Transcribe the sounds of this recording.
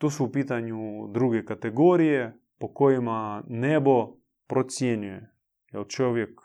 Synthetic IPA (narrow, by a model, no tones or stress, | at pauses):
t̪osuwpiːt̪anjud̪ɾuɡɛkat̪ɛɡoɾijɛ | pokojimanɛbɔ | pɾot̪sʲjenjujɛ | jɛlt͡ʃɔʋjɛk